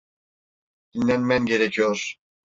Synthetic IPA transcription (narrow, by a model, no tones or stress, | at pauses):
d̪̥inlʲænmænɟe̞ɾecʰijoɾ̥